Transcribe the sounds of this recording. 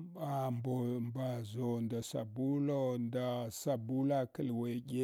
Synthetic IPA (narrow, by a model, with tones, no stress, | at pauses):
ɓa˨mbo˨mba˨zo˨nda˨sa˨bu˦lo˦nda˨sa˨bu˦la˦kə˨lwe˨ɡe˦